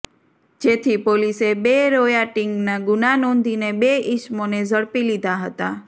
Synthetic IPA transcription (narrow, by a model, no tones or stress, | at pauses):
d͡ʒet̪ʰipolisebeɾojaʈɪŋɡnaɡʊnanɔ̃nd̪ʱinebeɪʃmonezʱəɭpilid̪ʱaɦət̪a